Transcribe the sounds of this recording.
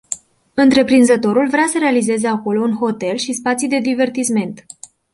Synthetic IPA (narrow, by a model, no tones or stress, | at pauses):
ɨnt̪ɾe̞pɾinzət̪o̞ɾulvɾeasəɾe̞alize̞ze̞ako̞lo̞unɦo̞t̪e̞lʃispat̪sijd̪e̞d̪ive̞rt̪isme̞nt̪